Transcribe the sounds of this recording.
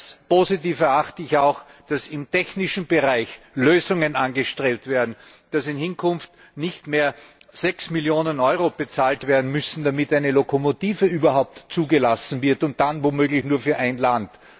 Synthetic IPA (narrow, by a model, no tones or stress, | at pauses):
spozitiːfɛɐaxtəɪçaʊx | d̥asɪmtɛçnɪʃn̩bəʁaɪç | løːzʊŋənanɡəʃtʁeːp̚tv̥eːɐdn̩d̥asɪnhɪnkʰʊnft | nɪçtmeːɐ | z̥ɛksmɪljoːnənɔʏʁob̥ət͡saːltv̥eːɐdn̩mʏsn̩damɪtæɪnəlokʰomotiːvəyːbɐɦaʊp̚tt͡suːɡəlasn̩vɪɐtʊnt̚d̥anvomøːɡlɪçnuːɐfyːɐʔæɪnlant